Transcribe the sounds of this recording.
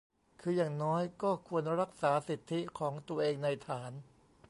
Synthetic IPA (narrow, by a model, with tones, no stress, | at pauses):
kʰɯː˧jaː˨˩ŋnɔː˦˥jkɔː˥˩kʰu˧ənɾa˦˥k̚saː˩˦si˨˩t̪ʰːi˦˥kʰɔː˩˦ŋt̪u˧ɐəʔeː˧ŋna˧jt̪ʰaː˩˦n